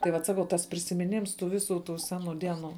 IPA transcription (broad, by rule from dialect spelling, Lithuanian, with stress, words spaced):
tɐɪ ˈʋɐt ˈsɑːkɐʊ tɐs pʲrʲɪsʲɪmʲɪˈnʲɪms tuː ˈʋʲɪˌsuː tuː ˈsʲæːˌnuː ˈdʲiɛˌnuː